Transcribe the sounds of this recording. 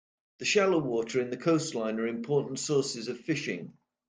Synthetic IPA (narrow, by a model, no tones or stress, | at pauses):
ðəʃaloʊwɔˑtʰəɹɪ̃nðəkʰoʊstˡlãɪ̃nəɹɪ̃mpʰɔˑʔn̩tsɔˑsɪzəv̥fɪʃɪ̰̃ŋ